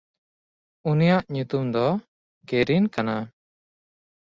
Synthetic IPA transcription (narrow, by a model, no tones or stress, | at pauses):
unijaʔɲut̪umd̪ɔ | keɾinkana